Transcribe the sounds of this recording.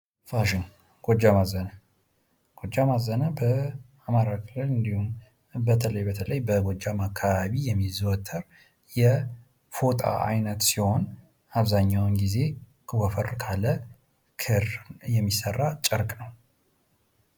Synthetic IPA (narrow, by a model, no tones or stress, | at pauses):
faʃɪŋ | ɡ̥od͡ʒːamazənə | ɡ̥o̞d͡ʒːamazənabə | amaɾakʰɨlɨlɨnd̪ihum | bət̪ʰələjbət̪ʰələjbəɡod͡ʒːamakʰːaβaβijɛmːizwɔt̪ʰːəɾ | jɛ | fot̪ʰʼa̰ʔa̰jnət̪siho̞n | aβzaɲːawnɡize̞ | kʰwɔfəɾkʰalə | kʰɨrjɛmːisərːat͡ʃʼəɾkʼnəw